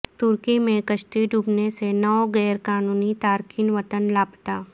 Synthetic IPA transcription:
t̪ʊɾkimẽkəʃʈ̪iɖʱuːbnesenɔːɡɛːɾkaːnuːnit̪aːɾkiːnʋət̪ənlaːpt̪aː

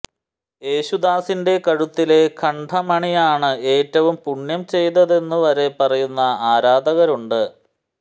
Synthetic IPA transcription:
e̞ːɕud̪aːsinde̞kɐɻut̪ːile̞kʰɐɳɖʱɐmɐɳijaːɳɨe̞ːtːɐʋumpuɳjɐmt͡ɕe̞jt̪ɐðe̞nːuʋɐɾe̞pɐrɐjunːɐaːɾaːd̪ɐɣɐɾuɳɖɨ

